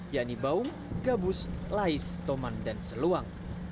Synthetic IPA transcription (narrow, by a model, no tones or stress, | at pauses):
jaʔnibaʊm | ɡabʊslaɪst̪omandansəluaŋ